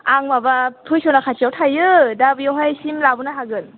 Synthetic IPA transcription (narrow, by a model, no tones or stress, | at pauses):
aŋmabatʰujsɔnakʰat͡ʃijawtʰajɯdabɯjawɦajsimlabunaɦaɡɯn